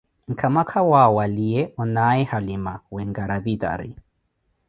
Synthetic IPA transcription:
ŋ̩kʰamakʰawawaliɛʔɔnaɛhalɪmawɛŋɡaɾaðida̰ɾḭ

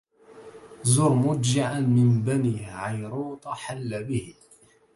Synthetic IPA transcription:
zʊɾmʊd͡ʒɪʕanmɪnbaniːʕajɾuːt̪ˤɑħalːabɪh

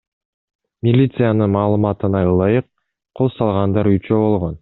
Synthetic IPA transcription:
mʲilʲit̪sɨjanəmɑːlˠəmɑt̪ənɑjlˠɑjəqʰː | o̞lˠsɑlˠʁɑnd̪ɑɾyt͡ʃøbo̞lˠʁo̞n

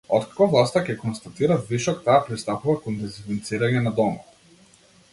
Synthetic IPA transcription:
ɔt̪kḁkɔvlˠast̪akʲɛkɔnst̪at̪iɾaviʃɔkt̪aːpɾist̪apuvakɔnd̪ɛzivint̪siɾaɲɛnad̪ɔma

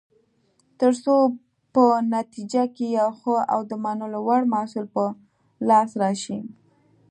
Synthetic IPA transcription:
t̪əɾso | pənat̪id͡ʒakejawxəa̰wd̪əmanolowaɽmasulpə | lɑsɾɑʃi

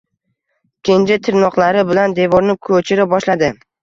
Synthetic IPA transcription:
kʲʰend͡ʒat̪ʰɪɾnɒqlˠaɾɪbɪland̪e̞vɒɾnɪkʰɵt͡ʃʰɪɾabɒʃlad̪ɪ

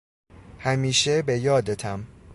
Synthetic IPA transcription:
hæmiːʃebe̞jɒːd̪et̪ʰæm

